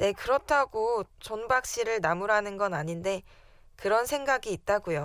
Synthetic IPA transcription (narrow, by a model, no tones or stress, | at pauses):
ne̞kɯɾʌtʰaɡot͡ɕonbak̚ɕ͈iɾɯɭnamuɾɦanɯnɡʌnaɲinde̞ | kɯɾʌnsʰe̞ŋɡaɡiːt̚t͈aɡujo